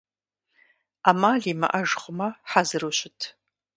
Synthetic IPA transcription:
aːmaːɮiːmɐ̰ʔɐʐχʷʼəmɐħazɨruɕɪtʰ

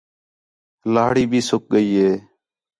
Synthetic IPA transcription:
laːɽiːbʱiːsʊk̚ɠəiːɦeː

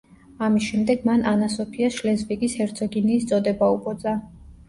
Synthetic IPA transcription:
amisʃɛmd̪ɛɡmananasɔpʰiaʃlɛzbiɡishɛɾt̪sʰɔɡiniːst̪sʼɔd̪ɛbaupʼɔd̪zʼa

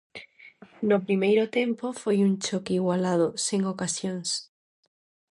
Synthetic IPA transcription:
nopɾimejɾʊt̪empofojunt͡ʃokiɣwalað̞ʊseŋokasjoŋs

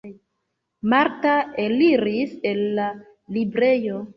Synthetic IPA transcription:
maɾtaeliɾise̞lːa | libɾe̞jo̞

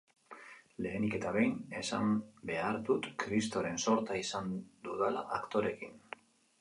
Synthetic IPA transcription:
le̞ːnike̞t̪aβe̞jne̞sa̰mbe̞aɾt̪ut̪kɾist̪o̞ɾe̞nso̞ɾt̪aisand̪uðala̰ʔakt̪o̞ɾe̞kin

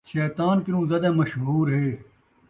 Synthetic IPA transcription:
ʃɛːt̪aːnkɪɾũːzɐd̪ẽːmɐʃɦuːɾɦeː

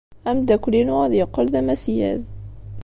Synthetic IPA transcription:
æmd̪æklinuæðjəqːəlðæmæsjæ̰ð

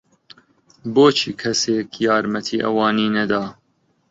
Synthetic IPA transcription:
boːt͡ʃʰiːkʰɐseːkʰjɑːɾmɐt̪ʰiːʔɐ̰wɑːniːnɐd̪ɑː

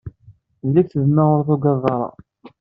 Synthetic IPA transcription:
lːækθəðəmːæʁʊɾθuɡɑðˤːɑɾˤɑ̰

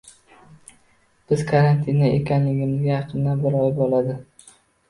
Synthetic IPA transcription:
b̥ɪzkʰaɾant̪ʰɪnaʔḛkʲʰanlɪɡʲɪmɪzɡʲajɑqʰɨnd̪anbɪɾɒjɪbɒlˠad̪ɪ

